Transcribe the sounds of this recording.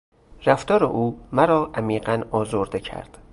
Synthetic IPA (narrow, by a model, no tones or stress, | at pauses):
ræft̪ɒːɾḛʔuːmæɾɒːʔæmiːɢænɒːzoɾd̪ecʰæ̰ɾd̪̥